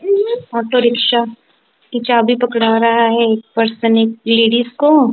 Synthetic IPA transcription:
aːʈoɾɪkʃa | kit͡ʃaːbipɐkɽaːɾɐɦaɦɛeːk̚pɐɾsənɪk̚leːɽizko

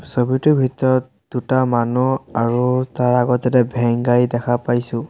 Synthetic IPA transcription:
sobitʊbʱitɔɹɔt̚ | d̥utamanuaɹutaɹaɡɔɛtɛbʱɛŋɡaɹidɛkʰapajsʊ̃

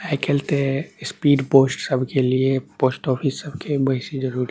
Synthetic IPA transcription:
ɛɪkelt̪espiːɖpoːsʈsəbʱkeliepoːsʈɔːpʰisəbkebɐɦisid͡ʒəɾuːɾi

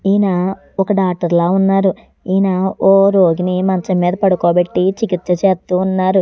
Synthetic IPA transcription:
iːna | ɔkɐɖaːk̚ʈɐɾlaːunːaːɾu | iːnaoːɾoːɡinimɐɲt͡ʃɐmiːd̪ɐpɐɽukoːbeʈːit͡ʃikit̪sɐt͡ʃeːt̪ːuːunːaːɾu

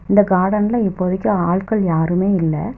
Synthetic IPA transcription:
ɪnd̪ɐɡaːɽɐnɪlɐɪpːɔðɪkʲːɐ̃aːɭkɐɭjaːɾɯmeːɪlːɐ̰

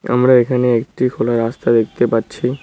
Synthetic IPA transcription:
a̰mɾaekʰaneekʈikʰolaɾast̪ad̪ek̚ʰt̪epatːɕʰi

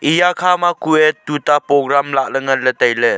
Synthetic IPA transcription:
ʔijakʰamakuɛtːutapɔɡɾamlaʔləŋɐnlətɐjle

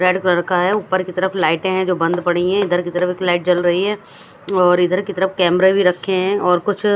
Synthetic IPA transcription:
ɾɛːɖkɾəɽkaɦɛuːpːəɾkit̪ɐɾəflaːɪʈẽɦɛ̃d͡ʒoːbɐ̃nd̪pɐɽiɦɛ̃ɪd̪ʱəɾkit̪ɐɾəfeːklaːɪʈ̚t͡ʃɐlɾɐɦiɦɛː | ɔːɾɪd̪ʱəɾkit̪ɐɾəfkɛːmɾebʱiɾɐkʰːeɦɛ̃ʔɔːɾkʊt͡ʃʰ

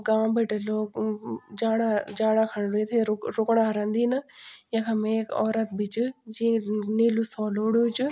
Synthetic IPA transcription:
ɡãːmbəʈeloːkd͡ʒaːɽ̃ad͡ʒaːɽ̃akʰɐɽ̃ɾet̪ʰeɾokɽaɦɐɾə̃nd̪iːnɐjə̃kʰamekɔːɾət̪bɪt͡ʃd͡ʑĩniːlusɔːloːɽut͡ʃʊ

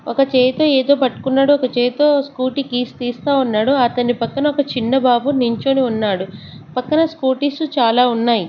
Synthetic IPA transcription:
ɔkɐt͡ʃeːjt̪o̞ːeːd̪o̞ːpɐʈːu̥kunːaːɽuɔkɐt͡ʃeːjt̪o̞ːskuːʈikiːst̪iːst̪aːunːaːɽuɐt̪ɐnipɐkːɐnɐɔkɐt͡ʃinːɐbaːbuniɲt͡ʃoːniunːaːɽu | pɐkːɐnɐskuːʈiːsut͡ʃaːlaːunːaːji

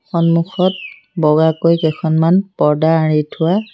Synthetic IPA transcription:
xɔnmuxɔt̚ | bɔɡakojkɛkʰɔnmanpɔɹdaɹitʰʊwa

